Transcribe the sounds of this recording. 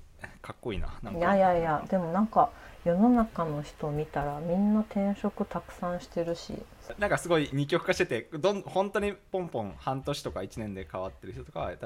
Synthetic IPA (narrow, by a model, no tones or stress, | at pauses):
kʰakːo̞ḭːna̰nã̰ŋjajajad̪e̞mo̞nãŋkajo̞no̞nakano̞çi̥t̪o̞mʲit̪aɾamʲĩnːat̪ʰẽ̞ɰ̃ɕo̞kɯ̟t̪akɯ̟̥sãɰ̃ɕi̥t̪e̞ɾɯ̟ɕḭ | nãŋkasɨɡo̞iɲ̟ikʲjo̞kɯ̟kaɕi̥t̪e̞t̪e̞d̪õnhõ̞nt̪o̞ɲ̟ipõ̞mpõ̞hãnt̪o̞ɕi̥t̪o̞kait͡ɕinẽ̞nd̪e̞kaβat̪ːe̞ɾɯ̟ç̥t̪ookaβat̪